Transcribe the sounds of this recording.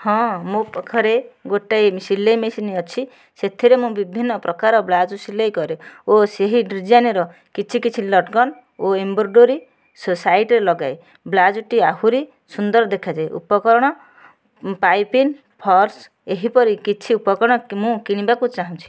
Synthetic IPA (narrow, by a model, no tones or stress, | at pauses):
hɔ̃mũpɔkʰɔɾeɡoʈajmsilːejmesiniɔt͡ʃʰi | set̪ʰiɾemũbibʱinːɔpɾʔɔkaɾɔblad͡ʒusilejkɔɾeoseɦiɖɾid͡ʒaniɾɔ | kit͡ʃʰikit͡ʃʰilɔʈɡɔn | oemboɾɖoɾi | sɔsajʈɾelɔɡaj | blad͡ʒuʈiaɦuɾi | sund̪ɔɾd̪ekʰad͡ʒajʔṵpɔkɔɾɔɽ̃ɔ | pajpin | pʰɔɾs | eɦipɔɾikit͡ʃʰiupɔkɔɾɽ̃ɔmũkiɽ̃ĩbakut͡ʃaɦɔ̃t͡ʃʰi̥